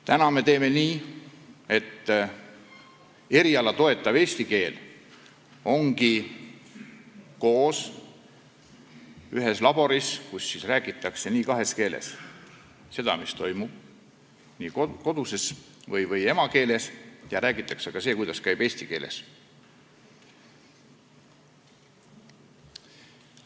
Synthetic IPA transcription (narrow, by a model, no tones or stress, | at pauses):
t̪ænɑme̞t̪e̞ːme̞niː | e̞t̪ː | e̞ɾiɑlɑt̪o̞e̞t̪ːˑɑve̞ːsʲt̪ike̞ːl | o̞ŋɡ̥i | ko̞ːs | yɦe̞slɑb̥o̞ɾiskusːisræːɡ̥it̪ːˑɑkse̞niːkɑɦe̞ske̞ːlḛs | se̞d̪̥ɑ̰mist̪o̞jmub̥̚ | niːko̞d̪use̞s | vɤjvɤje̞mɑke̞ːle̞sjɑɾæːɡ̥it̪ːˑɑkseɡ̥ɑseːkujd̪ɑskæjb̥e̞ːsʲt̪ike̞ːlḛs